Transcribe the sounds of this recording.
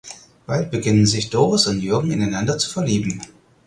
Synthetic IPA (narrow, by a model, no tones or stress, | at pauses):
b̥alt̚b̥əɡɪnənzɪçd̥oːʁʊsʊntjʏɐɡŋ̩ɪnaɪnandɐt͡su̥fɛɐliːbm̩